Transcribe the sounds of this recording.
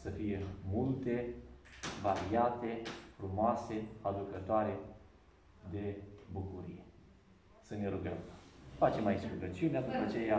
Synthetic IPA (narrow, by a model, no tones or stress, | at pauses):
səfije̞mult̪e̞ | vaɾiat̪e̞fɾumoase̞ad̪ukət̪oaɾe̞ | d̪e̞bukuɾḭje̞ | səne̞ɾuɡə̰mfat͡ʃe̞majisʲɾuɡət͡ʃiunead̪up̪at͡ʃe̞ja